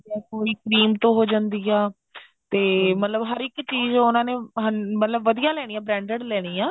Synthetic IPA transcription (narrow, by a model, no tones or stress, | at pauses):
ɛkoːiːkɾiːmt̪õːɦoːd͡ʒãːnd̪iːɛː | t̪eːmət̪ləbɦəɾɪkt͡ʃiːzʊnãːnẽːɦəmət̪ləbːəd̪ijaːlɛːɽ̃iːãːbɾɛ̃ːɳɖəɽlɛːɽ̃iːãː